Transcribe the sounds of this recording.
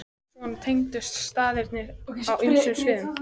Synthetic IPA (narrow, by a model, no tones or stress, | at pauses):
ɔnt̪ʰejŋt̪ʏst̪st̪aːðɪɾt̪nɪɾawʔʏnsʏmsvɪːðʏm